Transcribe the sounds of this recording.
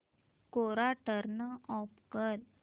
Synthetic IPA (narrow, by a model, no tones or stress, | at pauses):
koɾaʈəɾnəɔpkəɾ